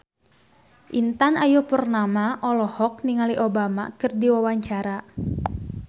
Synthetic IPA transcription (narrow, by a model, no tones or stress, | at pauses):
ʔint̪anajupərnamaʔɔlɔhɔk̚niŋaliʔobama̰kɨrdiwawaɲt͡ʃaɾa